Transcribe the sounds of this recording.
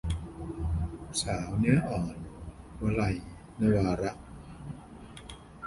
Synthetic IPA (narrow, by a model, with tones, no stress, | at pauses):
saː˩˦wni˦˥ɐʔɔː˨˩n | wa˧la˧˩j | na˧˩jwaː˧ɾa˦˥ʔ